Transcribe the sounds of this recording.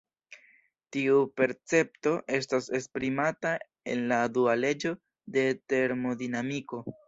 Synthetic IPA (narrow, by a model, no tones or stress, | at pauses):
tiupe̞ɾt͡se̞p̚to̞ʔe̞s̬tase̞spɾimata | e̞̰nladuale̞d͡ʒo̞ | de̞te̞ɾmo̞dinamiko̞